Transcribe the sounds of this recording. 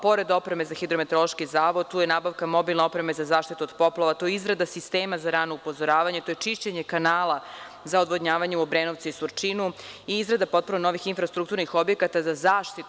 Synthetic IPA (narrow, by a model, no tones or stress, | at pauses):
po̞ɾe̞d̪o̞pɾeme̞zaxid̪ɾomet̪ɾo̞loʃkizaːʋo̞d̪̚t̪uːjenaːbaʋkamo̞bilˠnao̞pɾe̞mezazaːʃt̪it̪uod̪̥po̞plaʋat̪o̞jizɾad̪asist̪eːmazaɾaːno̞upo̞zoɾaːʋaɲet̪ojet͡ʃiʃt͡ɕeɲekanaːlˠa | zaod̪ʋod̪ɲaːʋaɲeubɾeːnoʋt̪siisuɾt͡ʃinu | iizɾad̪apo̞t̪̚puɾnono̞ʋixinfɾast̪ɾukt̪uɾnixo̞bjekat̪azazaːʃt̪it̪